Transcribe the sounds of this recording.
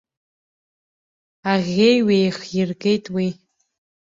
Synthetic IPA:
aʁʲejwejχjirɡʼe̞jtʼwi

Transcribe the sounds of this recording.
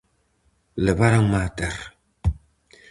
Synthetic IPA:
ləbaɾaŋmataɾ

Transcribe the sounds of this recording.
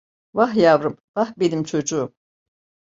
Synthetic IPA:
vaɦhjavɾɯmvahbenimt͡ʃʰo̞d͡ʒuum

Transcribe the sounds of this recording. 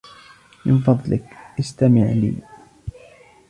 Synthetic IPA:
mɪ̰nfɑðˤlɪkʔɪst̪amɪʕlḭː

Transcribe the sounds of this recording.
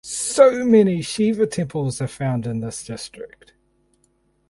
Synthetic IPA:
səʊmɛniʃiːvətʰɛ̃mpʰəlˠzəfãʊ̃ndɪ̃nðɪsd̥ɪstɹ̥ɪk̚t

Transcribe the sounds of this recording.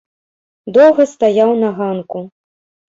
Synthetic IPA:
d̪ɔwɣɐst̪ajawnɐɣanku

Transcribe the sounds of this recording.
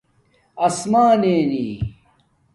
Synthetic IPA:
ɐsmaːneːniː

